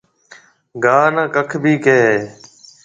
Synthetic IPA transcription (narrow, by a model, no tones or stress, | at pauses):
ɡaːnaːkəkʰbʱiːkeːɦeː